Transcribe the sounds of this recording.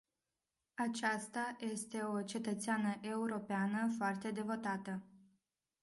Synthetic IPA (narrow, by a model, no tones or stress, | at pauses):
at͡ʃast̪aje̞st̪e̞o̞t͡ʃe̞t̪ət̪seanəʔe̞uɾo̞peanəfoart̪e̞d̪e̞vo̞t̪at̪ə